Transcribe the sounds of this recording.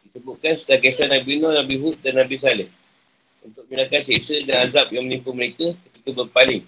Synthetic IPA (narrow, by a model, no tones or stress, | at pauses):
disəbuʔ̪̚kansudahkesanabinɔ̃nabiɦuʔ̚danːabis̬alɛh | unt̪ʊk̚minakanseʔsədanazap̚jaŋmənĩmpuməɾekəkəkit̪ubərpalɪŋ